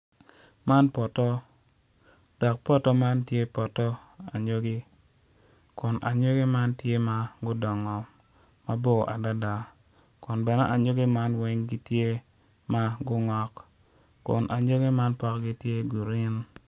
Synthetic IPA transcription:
ma˦npɔ˨tɔ˦ | d̥ɔ˨k̚pɔ˦tɔ˦ma˦ntje˦pɔ˨tɔ˦a˨ɲo˦ɡɪ˦ | kʊ˨nʔa̰˨ɲo˦ɡi˦ma˦ntje˦ma˦ɡʊ˦dɔ˨ŋɔ˨ | ma˦bo˦˨ʔa˨da˦da˨ | kʊ˨nbɛ˨nɛ̰˦ʔa˨ɲo˦ɡi˦ma˦nwɛ˦ŋɡi˦tje˦ | ma˦ɡʊ˦ŋɔ˦k | kːʊ̰˨nʔa˨ɲo˦ɡi˦ma˦npɔ˦kɡi˦tje˦ɡu˨ɾɪ˦n

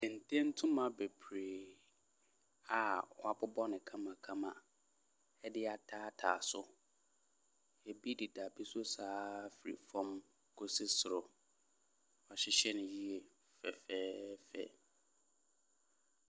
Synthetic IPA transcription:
dɛ̃˨n˨tʰẽ˦n̩˦tʰʊ̃˦mã˨be˨pʰɾeː˨ | a˨ɔ˨˦a˨bʊ˦bɔ˦nɪ̃˨kʰã˦mã˨kʰã˦mã̰˨ | ɛ˦dɪ˦a˨tʰaː˦tʰa̰ː˨sʊ˦ | ɛ˨bi˦di˨da˨bi˦sʊ˦saː˦fi˨ɾḭ˨fɔ̃˦m | kʰo˦se˦sʊ˨ɾʊ˨ | a˨ɕɪ˦ɕɛ˦nʊ̃˨ji˦e˨ | fɛ̰˨fɛː˦fɛ̰˦

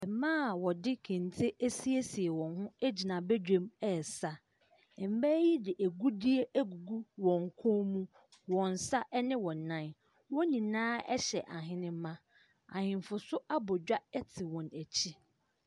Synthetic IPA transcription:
ɛ˨mãː˦˨wɔ˨dɪ˦kʰɪ̃˨n˨tʰe˦ʔæ˦si˦e˦si˨e˨wɔ̃˨nɦʊ̃˦æ˦d͡ʑi˨nã˨bɛ˦d͡ʑᶣẽ˦mɛ˨sa˦ | ɛ˨m̩˦bæ˦ji˦dɪ˨ʔæ˨ɡu˦di˦e˦ʔæ˦ɡu˨ɡu˦wɔ̃˨ŋ˨kʰʊ̃˦mũ˦ | wɔ̃˨n˨sa˦ʔɛ˦nɪ̃˦wɔ̃˨nã˦˨n | wɔ̃˦nĩ˨nãː˦ɛ̰˦ɕɛ˨ʔa˨ɦɪ̃˦nɪ̃˦mã˦ | a̰˨hɪ̃˨m˨fʊ˨sʊ˦a˦bɔ˨d͡ʑᶣa˦ɛ˦tʰɪ˨wɔ̃˨næ˨t͡ɕʰi˦

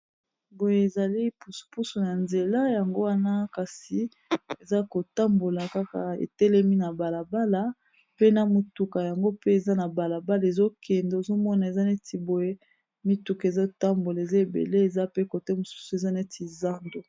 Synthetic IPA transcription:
bo˨je˨e˨za˨li˦pu˨su̥˨pu˦su˨na˨nze˨la˦ja˨ŋɡo˦wa˦na˦ka˨si˨ | e˨za˦ko˨ta˦mbo˨la˨ka˦ka˨ḛ˨tɛ˦lɛ˦mi˦na˨ba˨la˨ba˦la˦ | pe˦na˨mo˨tu˨ka˨ja˨ŋɡo˦pe˦e˨za˦na˨ba˨la˨ba˦la˨e˨zo˦kɛ˨nde˨zo˦mɔ˦na˨e˨za˦ne˦tʰi˨bo˨je˦ | mi˦tu˨ke˨za˦˨ta˦mbo˨la˨e˨za˦e˨bḛ˨le˦e˨za˦pe˦ko˨tɛ˦mo˨su̥˦su˨e˨za˦ne˦ti˨za˦ndo˨

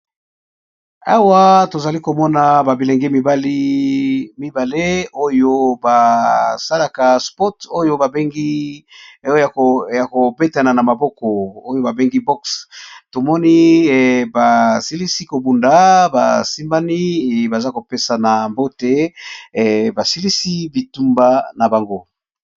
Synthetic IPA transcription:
a˦wa˦to˨za˨li˦ko˨mɔ˦na˨ba˨bi˨le˨ŋɡe˦mi˨ba˨li˦ | mi˦ba˨le˦o˦jo˦ba˨sa˦la˨ka˨spɔ˦to˦jo˦ba˨be˦ŋɡi˦ | jja˨ko˨be˦ta˨na˨na˨ma˨bɔ˦kɔ˨o˦jo˦ba˨be˦ŋɡi˦bɔ˦ksto˨mɔ˦ni˦ba˨si˦li˦si˦ko˨bu˨nda˨ba̰˨si˦mba˦ni˦˨ba˨za˦ko˨pe˦sa˨na˨mbo˦te˦˨ | ba˨si˦li˦si˦bi˨tu˦mba˦na˨ba˨ŋɡo˦

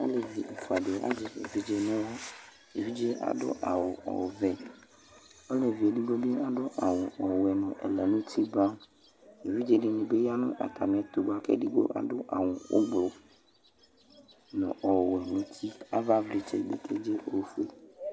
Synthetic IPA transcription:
a̰˦le˨vi˨e˨fu˨a˨de˨˦a̰˦d͡ʒɪ˨ḛ˨vi˦d͡ʒe˦nɛ̃˦wɔ˦ | e˨vi˦d͡ʒe˦a̰˨dʊ̰˦ʔa̰˨wʊ˨ɔ̰˨vɛ˦ | ɔ˦le˨vi˨e˨di˦ɡo˦be˦a˨dʊ˦ʔa˨wʊ̃˨ʔɔ˨wɛ˨nʊ̃˨ʔɛ̰˨lɛ˨nʊ̃˦t̪ʰi˦ba˦m | e˨vi˦d͡ʒe˨nɪ˨nĩ˨be˦ja˦nʊ̰̃˦ʔa̰˨t̪ʰa˨mĩ˨ɛ˨t̪o˨ba˨kɛ̰˦di˦ɡ͡bo̰˦ʔa̰˨˦dʊ˦ʔa̰˨ŋʊ̃˨wo̰˦ɡ͡blʊ˨ | nʊ̰̃˨ʔɔ˨wɛ˨nʊ̃˦t̪ʰi˦a˦va˦vli˨t͡ʃḛ˦ɡ͡bḛ˨kʰe˦d͡ʒe˦ʔo˦fu˦e˨

